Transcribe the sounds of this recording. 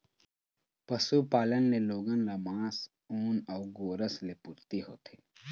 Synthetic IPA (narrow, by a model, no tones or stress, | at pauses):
pɐsupaːlənːeloːɡənlamãːs | uːnɔːɡoːɾəslepʊɾt̪iɦo̰ːt̪ʰeː